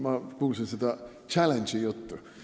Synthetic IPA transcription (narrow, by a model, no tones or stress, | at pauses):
mɑkuːlsinsed̪ɑ | t͡ʃælenʲd̥d͡ʒijut̪ːu